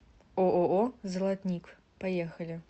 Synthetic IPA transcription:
oʔoʔɔzɐlˠat̪nʲikʷ | pajɛxɐlʲi

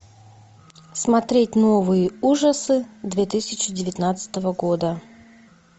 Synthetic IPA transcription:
smɐt̪ɾʲetʲnovɨjəuʐəsɨd̪vʲet̪ɨsʲɪt͡ɕɪdʲɪvʲɪt̪nat̪sɨ̥t̪əvəɡo̞d̪ə

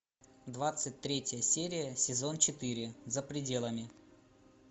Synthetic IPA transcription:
d̪vat̪sɨt̚ʲt̪ɾʲetʲjəsʲeɾʲɪjəsʲɪzo̞nt͡ɕɪt̪ɨɾʲɪzəpɾʲɪdʲe̞lˠəmʲɪ

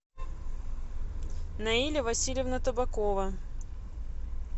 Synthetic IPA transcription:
nɐilʲɪvɐsʲilʲɪvnət̪əbɐkovə

